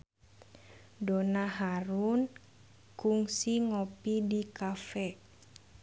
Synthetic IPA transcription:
donaɦaɾun | kuŋsiŋopidikafɛ

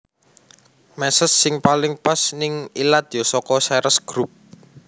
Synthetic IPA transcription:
mɛsəsːɪŋpalɪŋpasnɪŋilad̪̥ɔsɔkɔsɛɾʔəsɡ̥ɾup̚

